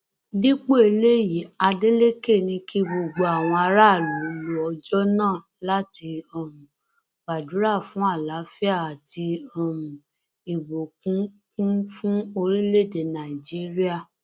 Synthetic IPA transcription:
di˦k͡po˦e˧le˦ji˨˦a˧de˦le˦ke˦˨nĩ˧ki˦bo˨ɡ͡bo˨a˨w̃ɔ̃˧a˧ɾa˦˨lu˨˦lu˦ɔ˧d͡ʒɔ˦nãː˦˨ | la˦ti˧ɔ˧mũ˨ | ba˨du˨˦ɾa˦˨fũ˨˦a˦˨la˨˦fi˦a˦˨a˨ti˧ɔ˨mũ˨ | i˨bo˨kũ˨˦ | kũ˦fũ˦o˧ɾĩ˦le˦˨de˨nã˨i˨d͡ʒi˨˦ɾi˦a˦˨

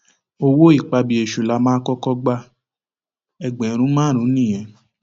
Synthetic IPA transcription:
o˧wo˦i˦˨k͡pa˧bi˨e˨ʃu˨la˨˧˦mãː˦kɔ˦kɔ˦ɡ͡ba˧ | ɛ˨ɡ͡bɛ̃˨˦ɾ̃ũ˦mãː˦˨ɾ̃ũ˨˦nĩ˦˨j̃ɛ̃˨˦

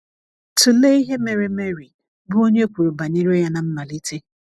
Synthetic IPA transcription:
tʊ˨le˦i˦ɦe˦me˨ɾe˨me˦ɾi˨ | bʊ˦o˦ɲe˦o˦kʷu˨ɾu˨ba˨ni˦ɾe˦ja˦na˨m̩˦ma˨li˦tʰe˦

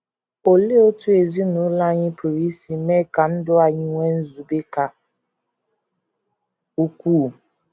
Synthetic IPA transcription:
o˨le˦o˦tu˦e˨zi˦nʊ̃˨˦la˦ɲɪ̃˦pʰu˨ɾi˦si˨mɛ˦˨ka˨n̩˦dʊ˦a˨ɲɪ˦ŋʷɛ˦n̩˦zu˨be˦ka˨ | u˦kuː˦˨

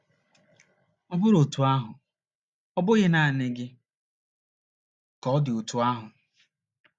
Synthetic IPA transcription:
ɔ˦bʊ˦ɾo˨tu˨a˦ɦʊ˨ | ɔ˦bʊ˦ɣɪ˦na˨a˨nɪ˦ɡɪ˦ | kɔ˦ɔ˦dɪ˨o˨tu˨a˦ɦʊ˨

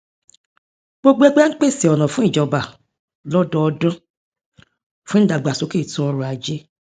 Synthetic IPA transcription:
ɡ͡bo˦ɡ͡bo˦ɛ˦ɡ͡ba˦k͡pe˦˨si˨ɔ˨nɔ̃˨fũ˦i˦˨d͡ʒɔ˨ba˨ | lɔ˦dɔ̃˦ɔ˧dɔ̃˦ | fũ˦n̩˦da˨ɡ͡ba˨so˨˦ke˦˨tũ˧˦ɔ˧ɾũ˧a˨d͡ʒe˦

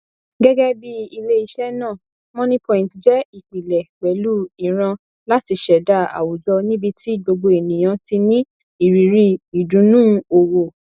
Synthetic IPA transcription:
ɡɛ˦ɡɛ˦bi˦i˧le˦i˧ʃɛ˦nãː˦˨ | mɔ̃˦nĩ˦pɔ̃˧˦˨ĩ˨ti˨d͡ʒɛ˦i˦˨k͡pi˨lɛ˨k͡pɛ˨˦lu˦i˨ɾ̃ã˧ | la˦ti˧ʃɛ˨da˦˨a̰˨wu˨d͡ʒɔ˧nĩ˦bi˧ti˦ɡ͡bo˧ɡ͡bo˧e˨nĩ˨j̃ã˧ti˧nĩ˦ | i˨ɾi˨ɾi˦i˨dũ˨˦nũː˦o˨wo˨

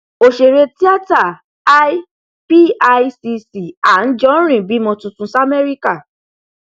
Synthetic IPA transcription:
o˨ʃe˨ɾe˧ti˦a˦ta˦˨ | a˦ | pi˦a˧jsi˧si˨a˨n̩˦d͡ʒɔ˦ɾ̃ĩ˦˨bi˨˦mɔ̃˧tũ˧tũ˧sa˦me˦ɾi˦ka˦˨

